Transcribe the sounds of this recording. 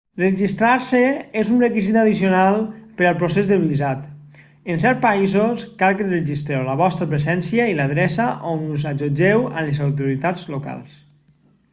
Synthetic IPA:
reʒist̪ɾaɾseezunrekizit̪aðisionalˠpeɾalˠpɾosezðeβilizat̪ | ens̬ɛɾt̪̚paizoskalkenreʒist̪ɾewləβɔst̪ɾəpɾezɛnsjailaðɾɛsaʔonuzad͡ʒod͡ʒewa̰lezawt̪̬uɾit̪ad͡zloka̰lˠs

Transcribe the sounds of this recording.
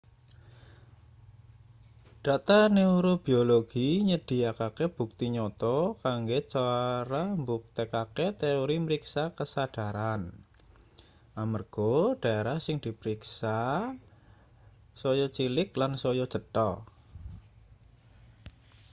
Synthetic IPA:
d̥at̪aneuɾob̥ioloɡ̥iɲəd̥i̤akakeb̥ṳk̚t̪iɲɔt̪ɔkaŋɡet͡ʃaɾambuk̚t̪ekaket̪eoɾiməɾiksakəsad̥a̤ɾan | ʔamərɡ̥oɖ̥aeɾahsɪŋd̪̥i̤pəɾiksa | sojɔt͡ʃilɪklansojɔt͡ʃət̪ɔ

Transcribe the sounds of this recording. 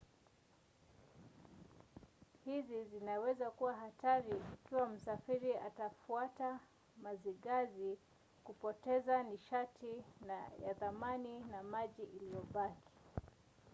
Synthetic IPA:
hizizinawɛzakuwaɦataɾiːkiwam̩safiɾiatafuata | maziɡazi | kupɔtɛzaniʃatʰinaja̰ðamaninamaʄiʔilijɔɓakʰi̥

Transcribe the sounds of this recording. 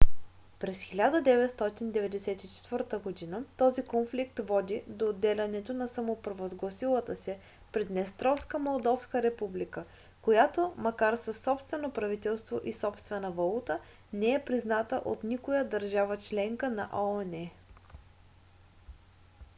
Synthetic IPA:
pɾɛsxilʲad̪əd̪ɛvɛt̪st̪ɔt̪ind̪ɛvɛd̪ɛsɛt̪it͡ʃɛ̥t̪vəɾt̪əɡod̪inət̪ɔzikonflikt̪vɔd̪id̪oːd̪ːɛlʲɐnɛt̪onɐsɐmopɾvozɡlˠɐsilˠət̪əsɛ | pɾɛd̪nɛst̪ɾɔfskəmolˠd̪ɔfskəɾɛpublikə | kojat̪omɐkaɾsɐsːɔpst̪vɛnopɾɐvit̪ɛlˠst̪voʔisɔpst̪vɛnəvɐlˠut̪ə | nɛɛpɾiznat̪əʔot̪nikojəd̪ɐɾʒavət͡ʃlɛŋkənɐ̰ʔonɛ

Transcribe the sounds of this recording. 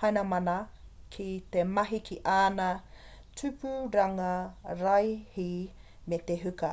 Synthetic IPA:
hɐjnɐmɐnɐ | kʰit̪emɐɦikʰiʔaːnɐ | tʰʉpuɾɐŋɐɾɐjhimet̪eɦʉkɐ

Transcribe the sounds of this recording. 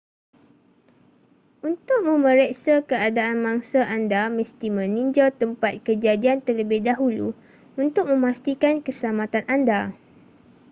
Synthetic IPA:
unt̪ʊk̚mə̃mə̃ɾɛʔsakəadaʔanmaŋsaʔandamɛ̃st̪imə̃nĩɲd͡ʒalt̪əmpat̪̚kəd͡ʒadiant̪ərləbɪhdaɦulṵ | unt̪ʊk̚mə̃mast̪ikankəsəlamat̪anʔanda

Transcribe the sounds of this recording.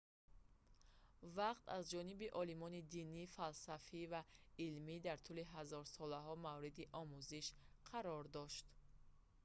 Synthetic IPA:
vaqt̪ʰa̰zd͡ʒɔnibiʔɔlimɔnid̪inifalsafivailmid̪aɾt̪ʰuliɦazɔɾsɔlaɦɔmavɾid̪iʔɔmuziʃqʰaɾɔɾd̪ɔʃt̪

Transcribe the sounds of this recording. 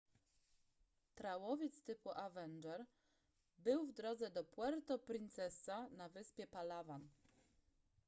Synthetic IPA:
t̪ɾawɔvʲjɛt̪st̪ɘpuʔavɛnd͡ʒɛɾ | bɘwvd̪ɾɔd̪zɛd̪ɔpwɛɾt̪ɔpɾint̪sɛsanavɘspʲjɛpalavan

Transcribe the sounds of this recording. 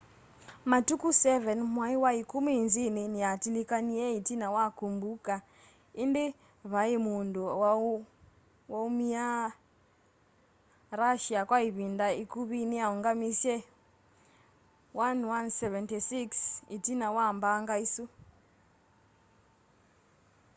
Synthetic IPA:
matukusɛvɛnmwaiwaikumiinzininiatilikaniɛitinawakumbuka | indi | βaimunduw | waumia | ɾaʃiakwaiβindaikuβiniaɔŋɡamisɛ | wanwansɛvɛntisiksitinawambaŋɡaisu

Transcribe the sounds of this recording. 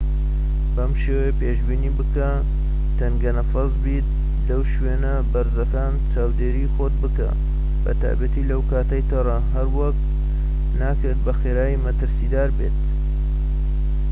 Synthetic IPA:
bɐmʃeːwejpeːʒbiːniːbɨkɐ | t̪ɐŋɡɐnɐfɐzbit̪̚ | lɐwʃweːnɐbɐɾzɐkaːnt͡ʃaːwd̪eːɾixoːt̪̚bɨkɐ̰ | bɐ̰t̪a̰ːjbɐt̪iːlɐwkaːt̪ɐjt̪ʰɐrˤɐɦɐɾwɐkt̪ | naːkɨɾt̪̚bɐxeːɾaːjimɐt̪ɨɾsid̪aːɾbḛt̪̚

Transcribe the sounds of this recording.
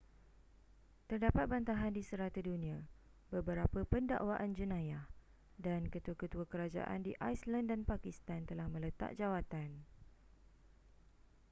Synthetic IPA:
t̪ərdapat̪̚bant̪aɦandisəɾat̪ədunĩã | bəbəɾapəpənda̰ʔwaʔand͡ʒunãjah | dankət̪uakət̪uakəɾad͡ʒa̰ʔa̰ndiʔajslandanpakist̪ant̪əlahmə̃lət̪a̰ʔ̚d͡ʒawat̪an

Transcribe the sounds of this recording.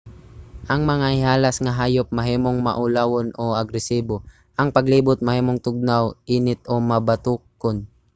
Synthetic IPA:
ʔɐŋmɐŋahɪhaːlɐsŋɐɦaːjop̚mɐɦiːmoŋmɐ̰ʔʊlawonʔoʔɐɡɾɛsiːbo̞ | ʔɐŋpɐɡliːbʊt̪̚mɐhiːmoŋt̪ʊɡ̚nawʔiːnɪt̪̚omɐbɐt̪uːkon

